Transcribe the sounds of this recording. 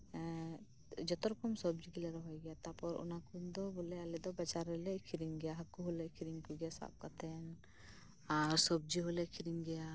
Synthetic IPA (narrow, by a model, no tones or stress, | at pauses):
d͡ʒɔt̪ɔɾɔkɔmsɔb̚d͡ʒiɡilɛɾɔɦɔjɡɛjat̪apɔɾṵnakund̪ɔbulɛalɛd̪ɔbɛt͡ʃaɾɛlɛkʰiɾiŋɡɛjaɦakːuɦulɛkʰiɾiŋkuɡɛjasa̰p̚kat̪ʰɛn | aɾsɔb̚d͡ʒiɦɔlɛkʰiɾiŋɡɛja